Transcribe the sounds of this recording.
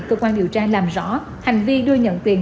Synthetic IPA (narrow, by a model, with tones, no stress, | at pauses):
kəː˧kwaː˧nɗi˨˩əwt͡ɕaː˧laː˨˩mzɔ̰˧˦ | ha˨˩jŋ̟vi˧ɗɨ˧əɲə̰˧˨nt̪i˨˩ən